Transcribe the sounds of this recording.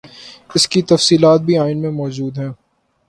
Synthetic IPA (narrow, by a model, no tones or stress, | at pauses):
ɪskit̪ɐfsiːlaːt̪̚bʱiaːɪnmẽmɔːd͡ʒuːd̪ɦɛ̃ː